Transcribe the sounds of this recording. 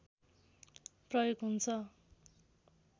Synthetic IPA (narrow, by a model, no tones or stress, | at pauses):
prʌjoɡɦunt͡sʰʌ